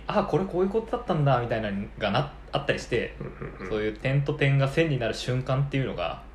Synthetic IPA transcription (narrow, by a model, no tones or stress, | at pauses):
ako̞ɾe̞ko̞ːjɯ̟ko̞t̪o̞d̪at̪ːãnd̪amʲit̪ainaɡana | at̪ːaɾʲiɕi̥t̪e̞so̞ːjɯ̟ːt̪ẽ̞nt̪o̞t̪ẽ̞ŋɡasẽ̞ɲ̟ːʲinaɾɯ̟ɕɨ̃ŋkãnt̪ːe̞jɯ̟no̞ɡa̰